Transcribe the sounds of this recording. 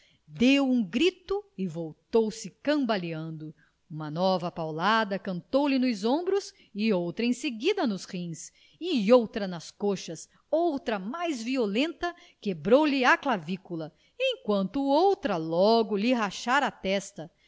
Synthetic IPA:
d̪ewũɡɾit̪ʊɪvowt̪owsɪkɐ̃baliɐ̃nd̪ʊ | ũmɐnɔvɐpawlad̪ɐkɐ̃nt̪owlɪnʊzõmbɾʊs | ɪowt̪ɾɐẽseɡid̪ɐnʊshĩs | ɪowt̪ɾɐnɐskoʃɐs | owt̪ɾɐmajzviolẽnt̪ɐ | kebɾowlɪaklavikulɐ | ẽj̃kwɐ̃nt̪ʊowt̪ɾɐlɔɡʊlɪɦaʃaɾat̪ɛst̪ɐ

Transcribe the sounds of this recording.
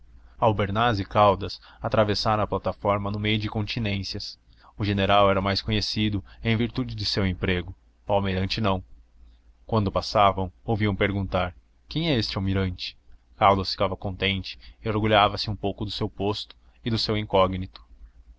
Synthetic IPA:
awbeɾnazɪkawd̪ɐs | at̪ɾavesaɾɐ̃ɐplat̪afɔɾmɐnʊmejʊd͡ʒɪkõnt͡ʃ̪inẽsjɐs | ʊʒeneɾawɛɾɐmajskõɲesid̪ʊẽj̃viɾt̪ud͡ʒɪd͡ʒɪsewẽmpɾeɡʊ | awmiɾɐ̃nt͡ʃɪnɐ̃w̃ | kwɐ̃nd̪ʊpasavɐ̃w̃owviɐ̃w̃peɾɡũnt̪aɾ | kẽj̃ɛest͡ʃɪawmiɾɐ̃nt͡ʃɪ̥kawd̪ɐsfi̥kavɐkõnt̪ẽnt͡ʃɪ̥ɪoɾɡuʎavɐsɪũpowkʊd̪ʊsewpost̪ʊ̥ | ɪd̪ʊsewĩŋkɔɡnit̪ʊ̥

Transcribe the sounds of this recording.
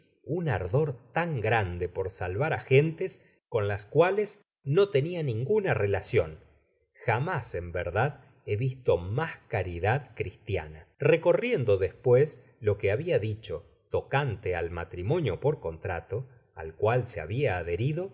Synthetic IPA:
una̰ɾðo̞ɾt̪aŋɡɾand̪epo̞ɾsalβaɾaxent̪es | ko̞nlaskwales | no̞t̪e̞nianĩŋɡunarelasjon | xamasembeɾðað | eβist̪o̞maskaɾiðaðkɾist̪ja̰nareko̞rjend̪o̞ðespwes | lo̞keaβiaðit͡ʃo̞ | t̪o̞kant̪ea̰lma̰t̪ɾimo̞njo̞po̞ɾko̞nt̪ɾat̪o̞ | a̰lkwalsea̰βiaːðeɾiðo̞

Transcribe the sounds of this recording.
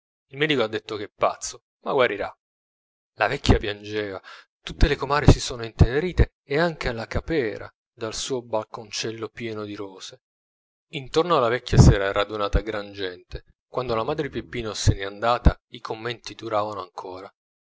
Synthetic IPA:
ilmɛːd̪ikoad̪ːet̪ːokeɛpːa̰t̪sːo | ma̰ɡwaɾiɾa̰ | lavɛkʰʲːjapjand͡ʒɛːva | t̪ut̪ːelekomaːɾesisoːnoint̪eneɾiːt̪eːaŋk̟ealːakapɛːɾa̰ | d̪alsuːobalkont͡ʃɛlːopjɛːnod̪iɾoːse | int̪ornoalːavɛkʰʲːjasɛːɾaɾad̪unaːt̪aɡɾand͡ʒɛnt̪e | kwand̪olamaːd̪ɾepepːiːnoseneand̪aːt̪a | ikʰomːɛnt̪id̪uɾaːvanoaŋkʰoːɾa

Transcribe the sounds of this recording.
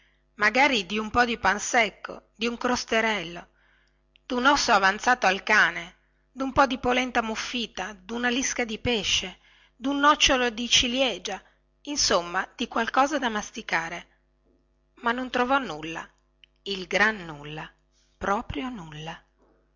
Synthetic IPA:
maɡaːɾid̪iumpɔd̪ipansɛkːo̰d̪iuŋkɾost̪eɾɛlːo | d̪unɔsːoavant̪saːt̪oalkaːne | d̪umpɔd̪ipolɛnt̪amufːiːt̪ad̪unaliskad̪ipeʃːe | d̪unːɔt͡ʃːolod̪it͡ʃiljɛːd͡ʒa | insomːad̪̥ikwalkɔːzad̪amast̪ikaːɾe | manːont̪ɾovɔnːulːa̰ | ilɡɾanːulːa | pɾɔːpɾjonulːa

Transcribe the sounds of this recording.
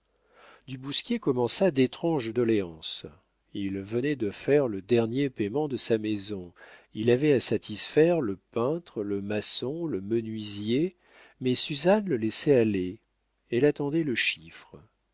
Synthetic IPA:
d̪ybuskʲjekɔmɑ̃sad̪et̪χɑ̃ʒd̪ɔleɑ̃s | ilvənɛd̪əfɛʁləd̪ɛʁnjepemɑ̃d̪əsamezɔ̃ilavɛasat̪isfɛʁləpɛ̃t̪χləmasɔ̃ləmənɥizje | mɛsyzanləlɛsɛale | elat̪ɑ̃d̪ɛləʃifχ

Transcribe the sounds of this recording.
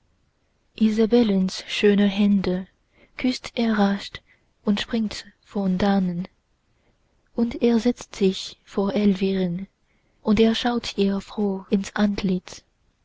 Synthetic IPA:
ʔizabɛlənsʃøːnəɦɛndə | kʰʏstʰʔɛɐʁaʃt | ʔʊntʃpʁ̥ɪŋtfɔndaːnən | ʔʊnteːɐzɛt͡stz̥ɪçfoːɐʔɛlviʁən | ʔʊnteːɐʃaʊtʰʔiːʁəfʁ̥oːɪnsʔantʰlɪt͡s

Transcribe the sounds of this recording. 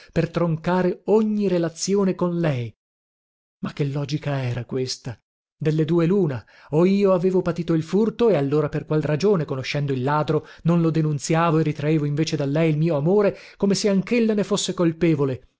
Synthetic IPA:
pert̪ɾoŋkaːɾeoɲːiɾelat̪sjoːnekonlɛj | makːelːɔːd͡ʒikaɛːɾakwest̪a | d̪elːed̪uːeluːna | oiːoaveːvopat̪iːt̪oilfurt̪oealːoːɾaperkwalrad͡ʒoːnekonoʃːɛnd̪oilːaːd̪ɾononlod̪enunt̪sjaːvoerːit̪ɾaeːvoiɱveːt͡ʃed̪alːɛjilmiːoamoːɾe | komeseaŋkelːanefosːekolpɛːvole

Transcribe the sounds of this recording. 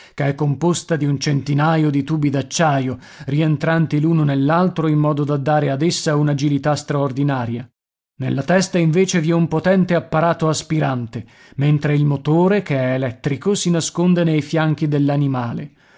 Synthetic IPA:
keɛkːompost̪ad̪iunt͡ʃent̪inajod̪it̪uːbid̪at͡ʃːaːjo | rient̪ɾant̪iluːnonelːalt̪ɾoimːɔːd̪od̪ad̪ːaːɾead̪esːaunad͡ʒilit̪ast̪ɾaord̪inaːɾja | nelːat̪ɛst̪aiɱveːt͡ʃeviɛumpot̪ɛnt̪eapːaɾaːt̪oaspiɾant̪e | ment̪ɾeilmot̪oːɾekeɛːlɛt̪ːɾikosinaskond̪enejfjaŋk̟id̪elːanimaːlḛ

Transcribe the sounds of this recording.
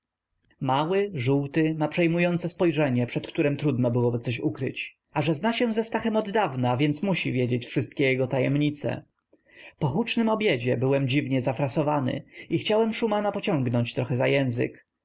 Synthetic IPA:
mawɘʐuwt̪ɘmapʂɛjmujɔnt̪sɛspɔjʐɛɲɛpʂɛt̪kt̪uɾɛmt̪ɾud̪nɔbɘwɔbɘt̪sɔɕukɾɘ̰t͡ɕ | aʐɛznaɕɛw̃zɛst̪axɛmɔd̪ːavnavʲjɛnt̪smuɕivʲjed͡ʑet͡ɕfʂɘst̪̚kʲɛjɛɡɔt̪ajɛmɲit̪sɛ̰ | pɔxut͡ʂnɘmɔbʲjed͡ʑɛbɘwɛmd͡ʑivɲɛzafɾasɔvanɘ̰ixt͡ɕawɛmʂumanapɔt͡ɕɔ̃ŋɡnɔɲt͡ɕt̪ɾɔxɛzajɛ̃w̃zɘ̰k

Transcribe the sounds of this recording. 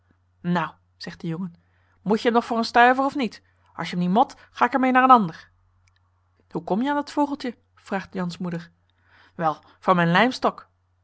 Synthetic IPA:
naw | z̥ɛχt̚dəjɔŋən | mucəəmnɔχfʊːɹənstœɥvərɔfnit | ʔɑ̰ʃjəɦəmnitmɔt | χaːɪkəɹmejnaːɹənɑndəɹ | hukɔmjəaːndɑtfoːχəlˠtə | v̥raːχtjɑnsmudəɹ | ʋɛlˠ | v̥ʊːɹmɛjnlɛjmstɔk

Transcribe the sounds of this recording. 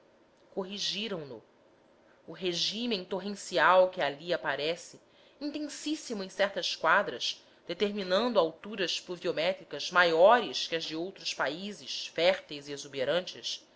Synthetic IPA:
koɦiʒiɾɐ̃w̃nʊ | ʊɦeʒĩmẽt̪oɦẽsiawkɪaliapaɾɛsɪ | ĩnt̪ẽsisimʊẽj̃sɛχt̪ɐskwad̪ɾɐʃ | d̪̥et̪eɾminɐ̃nd̪ʊawt̪uɾɐʃpluviomɛt̪ɾikɐzmajɔɾɪskɪɐzd͡ʒɪowt̪ɾʊspaizɪʃfɛɾt̪ejziezubeɾɐ̃nt͡ʃɪʃ

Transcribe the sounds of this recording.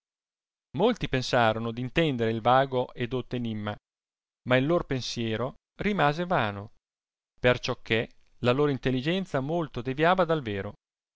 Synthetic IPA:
molt̪ipensaːɾonod̪int̪ɛnd̪eɾeilvaːɡoʔed̪ot̪ːoenimːa | mailːoːɾopensjɛːɾo | rimaːzevaːno | pert͡ʃɔkʰːe | laloːɾoint̪elːid͡ʒɛnt̪samolt̪od̪evjaːvad̪alveːɾo

